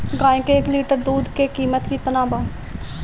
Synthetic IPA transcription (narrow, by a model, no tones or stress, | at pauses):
ɡaːẽkeːkliːʈəɾd̪uːd̪kekiːmət̪kit̪ɐnaːba